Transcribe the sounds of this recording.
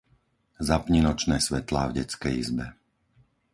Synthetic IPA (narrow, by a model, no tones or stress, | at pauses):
zapɲinɔt͡ʃnɛːsʋɛt̪laːvɟɛt͡skɛjizbɛ